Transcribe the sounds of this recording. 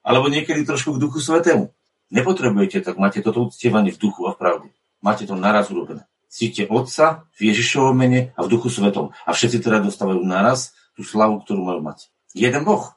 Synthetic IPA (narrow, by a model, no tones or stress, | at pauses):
ʔa̰lɛbɔɲɪɛkɛd̪it̪ɾɔʃkuɡd̪uxusʋɛt̪ɛːmṵ | ɲɛpɔt̪ɾɛbujɛcɛt̪aɡ̚maːcɛt̪ɔt̪ɔut͡scɪɛʋaɲɪɛvd̪uxuafpɾaʊd̪ɛ | maːcɛt̪ɔnaɾazuɾɔbɛnɛ | t͡siːcːɛʔɔt̪savjɛʒiʃɔʋɔmːɛɲɛavd̪uxusʋɛt̪ɔ̰ma̰fʃɛt̪sit̪ɛɾad̪ɔst̪aʋajunaɾas | t̪uːslaʋukt̪ɔɾuːmajuma̰c | jɛd̪ɛnbɔx